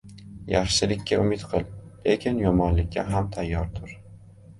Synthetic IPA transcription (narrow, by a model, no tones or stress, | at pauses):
jaχʃɪlɪkʲʰːaʊmɪt̪qʰɨlˠle̞kʲʰɪnjɒmɒnlɪk̚ʲːa̰ɦamt̪ʰajːɒɾt̪ʰʊɾ